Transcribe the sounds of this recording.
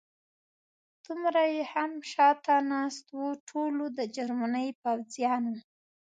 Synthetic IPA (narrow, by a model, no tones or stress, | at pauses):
d̪̥ʊmɾajehamʃɑt̪anɑst̪wuʈʰolod̪əd͡ʒaɾmanəjpawzjɑnwu